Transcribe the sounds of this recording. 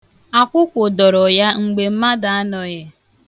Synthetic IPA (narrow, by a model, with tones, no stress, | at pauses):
a˦kʷʊ˦kʷʊ˨dɔ˨ɾɔ˨ja˦ŋ͡m̩˨ɡ͡be˨m̩˦ma˦da˨a˦nɔ˨je˦